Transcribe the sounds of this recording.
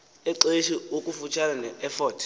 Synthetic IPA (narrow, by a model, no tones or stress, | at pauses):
ɛǀeʃiokʼufut͡ʃʰalanɛɛfɔːtʰ